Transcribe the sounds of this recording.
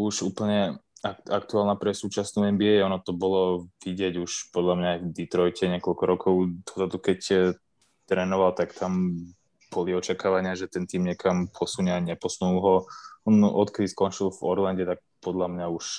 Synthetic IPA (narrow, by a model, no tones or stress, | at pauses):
uʃuːpl̩ɲɛaakt̪uaːlˠnapɾɛsuːt͡ʃasnuɛmbiɛɛɔnɔt̪ɔbɔlɔʋiɟɪɛɟuʃpɔd̪ʎamɲaːjvd̪it̪ɾɔjcɛɲɛkɔʎkɔɾɔkʰɔʊd̪ɔzad̪ukɛc | t̪ɾɛːnɔʋalt̪akt̪am | b̥ɔliɔt͡ʃakaːʋaɲɪaʒɛt̪ɛnt̪iːmɲɛkampʰɔsuɲɛaɲɛpɔsnulɦɔɔnɔt̪kɛd̪iskɔnt͡ʃilˠvɔɾlanɟɛt̪ak̚pɔd̪ʎamɲauʃ